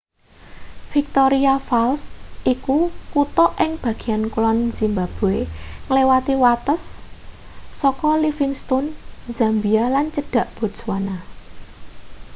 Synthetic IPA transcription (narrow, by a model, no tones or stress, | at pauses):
fik̚t̪ɔɾiafalsʔikukut̪ɔʔɪŋb̥ä̤ɡ̥i̤jankulɔnz̥imbab̥o̤eŋəlewat̪iwat̪əsː | ɔkɔlifɪŋst̪ɔnzambialant͡ʃəɖ̥ä̤ʔb̥o̤d̥swana